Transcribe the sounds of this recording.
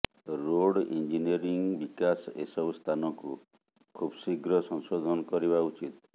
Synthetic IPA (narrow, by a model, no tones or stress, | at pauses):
ɾoɽind͡ʒiniɔɾiŋbikasesɔbst̪ʰanɔku | kʰubsiɡɾɔsɔŋsod̪ʱɔnɔkɔɾibaut͡ʃit̪